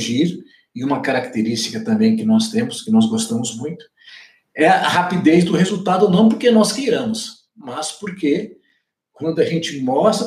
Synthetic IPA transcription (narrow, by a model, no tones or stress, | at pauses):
ʒiɾ | ɪũmɐkaɾak̚t̪eɾist͡ʃikɐt̪ɐ̃mbẽj̃kɪnɔst̪ẽmʊskɪnɔzɡost̪ɐ̃mʊzmũj̃t̪ʊ̥ | ɛɐɐ̰hapid̪ezd̪ʊhezuwt̪ad̪ʊnɐ̃w̃p̬oɾkenɔskejɾɐ̃mʊs | mɐspoɾke | kwɐ̃nd̪ʊɐʒẽnt͡ʃɪmɔst̪